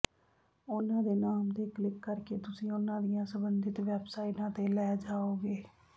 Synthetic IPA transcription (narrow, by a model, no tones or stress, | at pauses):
ʊnãːd̪eːnaːmt̪eːklɪkːəɾkeːt̪ʊsĩːʊnãːd̪ɪjãːsəbənd̪ɪt̪ʋɛːbsaːɪʈãːt̪eːlɛːd͡ʒaːoːɡeː